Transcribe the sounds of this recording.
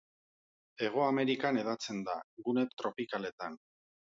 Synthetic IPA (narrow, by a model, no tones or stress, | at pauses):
e̞ɣ̞o̞ame̞ɾikane̞ð̞at͡se̞nd̪aɣune̞t̪ɾo̞pikale̞t̪an